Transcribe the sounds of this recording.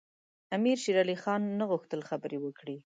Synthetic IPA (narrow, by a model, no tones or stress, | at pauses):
amiɾʃiɾɑlixɑnːəɣʊxt̪əlxabəɾewəkɽi